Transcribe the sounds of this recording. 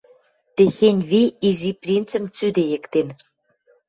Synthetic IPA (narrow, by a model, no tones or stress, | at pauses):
t̪exenʲβiiziprʲint͡sə̆mt͡syd̪ejɘ̆kt̪en